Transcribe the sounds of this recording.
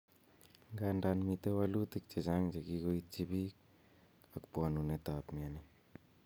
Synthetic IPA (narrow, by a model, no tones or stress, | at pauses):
ŋɡandanmit̪ewalut̪ik̚t͡ʃezaŋd͡ʒakikoitt͡ʃibi | akpuanunet̪apmiani